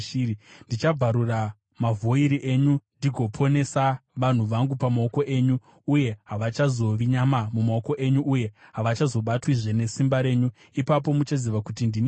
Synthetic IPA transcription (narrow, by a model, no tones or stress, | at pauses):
ndit͡ʃab͡vaɾura | mavʱo̞iɾiʔe̞ɲundiɡʱo̞pʰo̞ne̞saʋan̤uʋaŋɡupamaoko̞ʔe̞ːɲuː | je̞ɦaʋat͡ʃazo̞ʋiɲamamumaoko̞ʔe̞ɲuʔːje̞ɦaʋat͡ʃazo̞ɓatwiʐe̞ne̞simbaɾe̞ːɲu | ipap̬o̞mut͡ʃaziʋakutindin